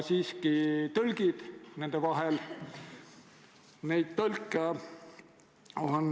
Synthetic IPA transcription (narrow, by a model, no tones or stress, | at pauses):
siːskit̪ɤlɡ̥id̪̥ne̞nd̪̥evɑɦel | ne̞jd̪̥̚t̪ɤlkːˑe | on